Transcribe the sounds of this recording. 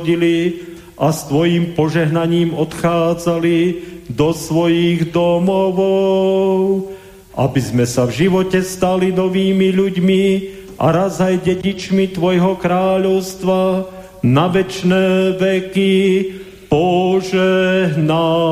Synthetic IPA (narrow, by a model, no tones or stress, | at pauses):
ɟili | ʔast̪ʋɔjiːmpɔʒɛɦnaɲiːmɔt̪xaːd͡zalid̪ɔsʋɔjiɣd̪ɔmɔʋɔʊ | ʔa̰bizmɛsavʒiʋɔcɛst̪alinɔʋiːmiʎuɟmiʔa̰ɾazajɟɛɟit͡ʃmit̪ʋɔjɦɔkɾaːʎɔʊst̪ʋa | naʋɛt͡ʃnɛːʋɛki | pɔʒɛɦna